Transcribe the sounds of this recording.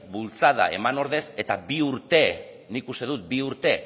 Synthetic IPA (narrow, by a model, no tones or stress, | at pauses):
bult͡sað̞a̰e̞̰mano̞ɾð̞e̞se̞t̪abiuɾt̪e̞ | niːkust̪e̞ðut̪̚biuɾt̪e̞